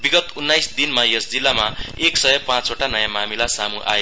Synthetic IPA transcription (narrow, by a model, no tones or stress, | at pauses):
biɡʌt̪unːajsd̪inmajesd͡zilːamaeksʌjʌpãt͡soʈanʌjamamilasamuʔa̰je